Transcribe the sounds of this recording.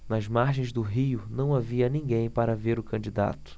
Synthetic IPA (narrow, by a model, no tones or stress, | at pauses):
nɐzmaɾʒẽj̃zd̪ʊɦiʊnɐ̃w̃aviɐnĩŋɡẽj̃paɾɐveɾʊkɐ̃nd͡ʒid̪a̰t̪ʊ̥